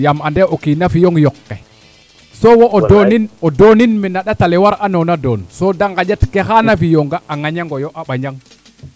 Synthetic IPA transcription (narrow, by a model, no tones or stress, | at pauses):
jamandɛʔokinafijoŋjokːɛ | sowoʔdoninodoninminaɗatalɛwaɾanonadonsodaŋɡad͡ʒatkɛxanafijoŋɡaʔːŋaɲaŋɡojoʔaɓaɲaŋ